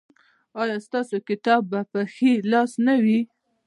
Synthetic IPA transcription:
ɑjɑst̪ɑsokɪt̪ɑbːapəxelɑsnawi

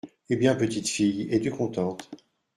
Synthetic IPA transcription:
ebjɛ̃pət̪it̪fijɛd̪ykɔ̃t̪ɑ̃t̪

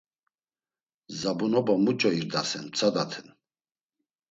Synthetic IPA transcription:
zabunɔbamut͡ʃʼɔiɾd̪asɛnt͡sʰad̪at̪ʰɛn

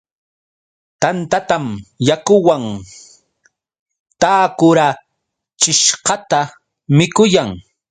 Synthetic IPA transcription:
t̪ant̪at̪amjakʊwaŋ | t̪aːkʊɾa | t͡ʃɪʃqɑt̪a | mɪkʊjaŋ

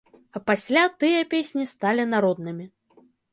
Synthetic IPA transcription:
ɐpasʲlʲat̪ɨjɐpʲesʲnʲist̪alʲinaɾɔd̪nɨmʲi

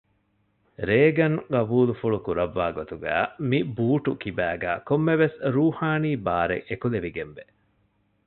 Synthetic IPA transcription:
ɾeːɡɐŋɡɐbuːlufuɭukuɾɐʋːaːɡot̪uɡæ̰ːmibuːʈukibæːɡæːkomːeʋesɾuːhaːniːbaːɾḛʔekuleʋiɡemʋe

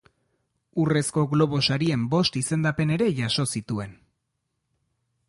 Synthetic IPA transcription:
ure̞sko̞ɣlo̞β̞o̞saɾie̞mbo̞st̪ise̞nd̪ape̞ne̞ɾe̞ʝaso̞sit̪ue̞n

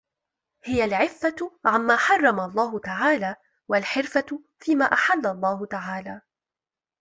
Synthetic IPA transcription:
hɪjalʕɪfːaʕamːaːħɑrˤːɑmalˤːɑːɦʊt̪aʕaːlaː | walħɪɾfa | fiːmaːʔaħalːalˤːɑːhʊt̪aʕaːlaː

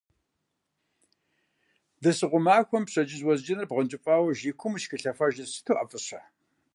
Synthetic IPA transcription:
dɐsɨʁʷʊmaːxʷɔmpɕɐd͡ʒɪzwɔzd͡ʒɪnɐrbʁɐnt͡ʃʼɪpʼaːwɐʒiːkʷʰʊmʃkɨɬɐfɐʒɐsɨ̥tʰoʔɐfɨɕɐ

